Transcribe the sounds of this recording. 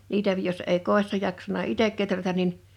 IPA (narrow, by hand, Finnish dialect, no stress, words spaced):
niːtæ jos eˑi koˑi̞sːɑ jɑksɑnɑ itek ketrætæn̆ nin